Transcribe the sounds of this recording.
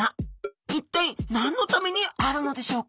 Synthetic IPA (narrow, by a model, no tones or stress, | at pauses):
ait̪ːẽĩnãnːo̞t̪ame̞ɲ̟iaɾɯ̟no̞d̪e̞ɕo̞ːk